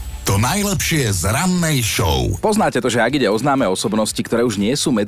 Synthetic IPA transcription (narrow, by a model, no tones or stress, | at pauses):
t̪ɔnajlɛpʃɪɛzɾanːɛjʃɔ̰ʊpɔznaːcɛt̪ɔʒɛaɡiɟɛɔznaːmɛːɔsɔbnɔscikt̪ɔɾɛːuʒɲɪɛsuːmɛ